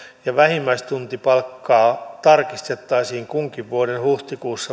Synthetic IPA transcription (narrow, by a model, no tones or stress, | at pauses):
jɑʋæhimːæist̪unt̪ipɑlkːɑːt̪ɑrkist̪et̪ːɑisiːŋkuŋkiʋʋuodenhuht̪ikuːsːɑ